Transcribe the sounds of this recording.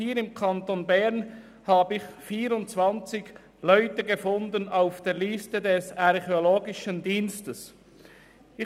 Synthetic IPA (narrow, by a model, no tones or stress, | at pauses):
hiːɾɪmkʰɑntonbɛʁn | haːbəɪçfiːɾʊntt͡svɑnt͡sɪç | lœʏtəɡəfʊndənaʊfd̥eːʁlistədɛsɑʁχeoloːɡɪʃəndiːnstəs | ɪ